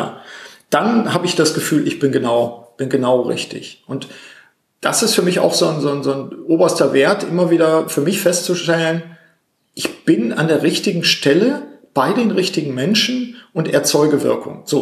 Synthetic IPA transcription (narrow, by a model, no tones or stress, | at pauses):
ja̰ːd̥anhaːbəɪçd̥asɡ̥əfyːlɪçb̥ɪnɡənaʊb̥ɪnɡənaʊʁɪ̰çtɪ̰çʔʊnt | d̥a̰sɪstfyːɐmɪça̰ʊxz̥oːnzoːnzoːnʔoːbɐstɐveːɐtʔɪmɐviːdɐfyːɐmɪçfɛst͡suʃtɛlən | ʔɪçb̥ɪna̰ndeːɐʁɪçtɪɡŋ̩ʃtɛləb̥aɪdeːnʁɪçtɪɡŋ̩mɛnʃn̩ʔʊntʔɛɐt͡sɔʏɡəvɪ̰ɐkʊ̰ŋz̥oː